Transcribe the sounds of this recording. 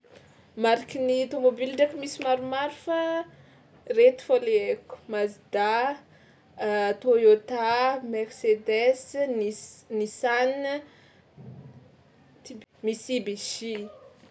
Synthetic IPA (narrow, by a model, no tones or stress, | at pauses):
maɾikinit̪omobilɖ͡ʐakimisimaɾumaɾufa | ret̪i̥foleeku̥mazid̪̥a | at̪ojot̪amersed̪ɛsnnisan | t̪imisibisi